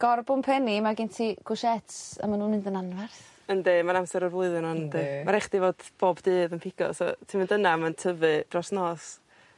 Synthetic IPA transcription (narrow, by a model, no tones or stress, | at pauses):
ɡ̥ɔrbʊnpʰɛnimaɡɪntʰiɡ̥ʊʃɛtə̰manuːnɪndənanvɛrθ | əndeːmanamsɛɾɔrvlˠʊɨðɨnɔndeːmaɾɛχd̥ivoːd̥b̥oːbdɨːðənpʰɪɡ̥ɔ̰sɔ̰tʰiːməndənamantʰəvɨd̥rɔsnɔːs